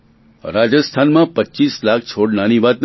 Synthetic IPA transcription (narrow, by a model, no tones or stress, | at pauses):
ɾad͡ʒəst̪ʰanmãpətːt͡ʃislak̚ʰt͡ʃʰoɽnañiʋat̪n